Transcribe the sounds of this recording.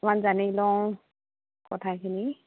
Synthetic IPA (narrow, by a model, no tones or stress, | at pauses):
manzanilɔw | kɔtʰakʰini